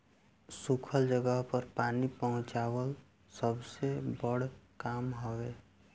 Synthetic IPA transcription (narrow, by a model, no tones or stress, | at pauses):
sukʰəld͡ʒəɡəɦpəɾpaːnipəɦʊ̃t͡ʃaːwəl | səbsebəɽkaːmɦoweː